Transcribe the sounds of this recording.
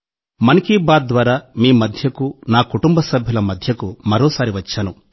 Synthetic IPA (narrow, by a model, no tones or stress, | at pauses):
mɐnikiːbaːd̪̚d̪ʋaːɾaːmiːmɐd̪ʱjɐkunaːkuʈumbɐsɐbʱjilɐmɐd̪ʱjɐkumɐɾɔːsaːɾiʋɐt͡ʃːɐnu